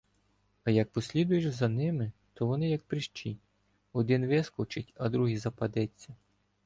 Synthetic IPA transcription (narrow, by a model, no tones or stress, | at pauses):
ɐjɐk̚pɔsʲlʲid̪ʊjeʒzɐnɪmɪt̪ʰɔʋɔnɪjɐk̚pɾɪʃt͡ʃi | ɔd̪ɪnʋɪskɔt͡ʃɪtʲɐd̪ɾuɦizɐpɐd̪ɛt͡sʲːɐ